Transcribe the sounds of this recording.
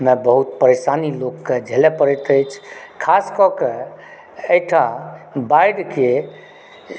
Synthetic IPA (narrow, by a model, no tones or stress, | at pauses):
mebəɦut̪pəɾesanilokːed͡ʒʱelepəɾɛt̪əjt͡ʃʰkʰaskɔke | əjʈʰãbajɖke